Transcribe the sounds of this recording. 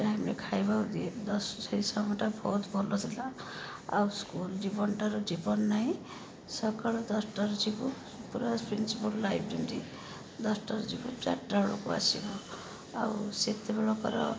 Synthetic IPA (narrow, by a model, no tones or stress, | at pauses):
ʈajmekʰajbawd̪ied̪ɔssɔɾisamɔʈabʱɔut̪bʱɔlɔt̪ʰila | a̰wskuld͡ʒibɔnʈaɾud͡ʒibɔnːaɦĩ | sɔkaɭɔd̪ɔsʈaɾud͡ʒibu | puɾapɾinsipɔlːajpʰɾinɾi | d̪ɔsʈaɾud͡ʒibut͡ʃa̰ʈɾaɽukua̰sibɔ | a̰wuset̪ebeɭɔkɔ̰ɾɔ̰